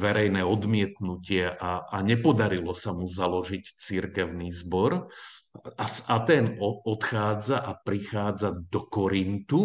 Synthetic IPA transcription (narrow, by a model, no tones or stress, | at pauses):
ʋɛɾɛjnɛːɔd̪mɪɛt̪nucɪɛʔaʔaɲɛpɔd̪aɾilɔsamuzalɔʒict͡siɾkɛʊnizbɔɾ | asat̪ɛːnɔɔt̪xaːd͡zaʔapɾixaːd͡zad̪ɔkɔɾint̪u